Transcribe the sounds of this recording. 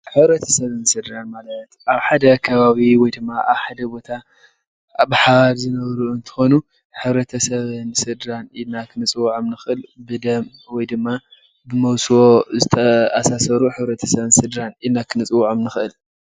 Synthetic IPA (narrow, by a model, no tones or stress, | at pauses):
ħɨβɾɐt̪ʰɐ̥sɐβɨnsɨd̪ɾanmalɐt̪ʔaβħad̪ɐkʰɐβaβiwɔjd̪ɨmːaʔaβħad̪ɐbo̞t̪ʰa | bħalzɨnɐβɾuɨnt̪ʰɨ̥xo̞nu | ħɨβɾɐt̪ʰɐsɐβɨnsɨd̪ɾanilnakʰɨnɨt͡sʼɨwuʕɨmnɨxɨʔɨlbɨd̪ɐmwɔjd̪ɨmːa | bɨmɐwswo̞zɨt̪ʰɐasasɐɾuħɨβɾɐt̪ʰɐsɐβɨnsɨd̪ɾanilnakʰɨnɨt͡sʼɨwuʕamnɨxɨʔɨl